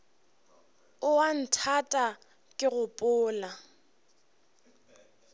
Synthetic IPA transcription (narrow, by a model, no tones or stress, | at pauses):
ʊwan̩tʰatʼa | kʼɪɣʊpʼʊːla